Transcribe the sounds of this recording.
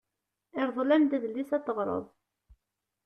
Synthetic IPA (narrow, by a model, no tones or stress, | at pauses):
ɪɾðˤlænd̪æðlːisæt̪ːəʁɾˤə̰ðˤ